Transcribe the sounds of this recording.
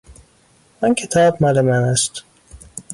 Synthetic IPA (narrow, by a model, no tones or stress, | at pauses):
ɒncʰet̪ʰɒːbmælemænæst̪